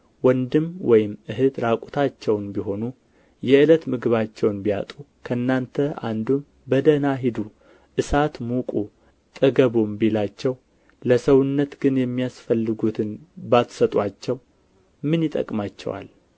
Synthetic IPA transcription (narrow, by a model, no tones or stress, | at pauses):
wɔnd̪ɨmwɔjɪmʔɨɦɨd̪ɾakʼut̪ʰat͡ʃːɛwnbiɦo̞nu | jɛɨlət̪mɨɡɨβat͡ʃːɛwnbija̰t̪ʼu | kʰəɨnːant̪ʰəa̰nd̪um | bəd̪ənaɦɪd̪u | ʔɨsat̪mukʼu | t̪ʼəɡəβombilat͡ʃːɛw | ləsəwʊnːət̪ɡɨnjɛmːijasfəlːɨɡut̪ʰɨnbat̪sət̪ʼwat͡ʃːɛw | mɨnjɪt̪ʼə̰kʼmat͡ʃːɛ̰wa̰l